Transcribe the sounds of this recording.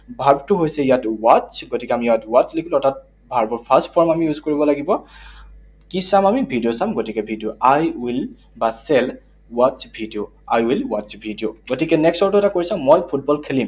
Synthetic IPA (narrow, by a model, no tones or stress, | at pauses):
bʱaɹbtʊɦojsɛjatwat͡ʃɡotikɛamijatwat͡ʃlekʰilɔtʰat̚ | bʱaɹbɔɹpʰastpʰɔɹmamijuzkoɹibɔlaɡibɔ | kisamamibʱidijosamɡotikɛbʱidioʔajwil | basɛl | wat͡ʃbʱidijo | ajwilwat͡ʃbʱidijoɡotikɛnɛkstɔɹtʊɛtakoɹisãmojpʰut̚bɔlkʰelim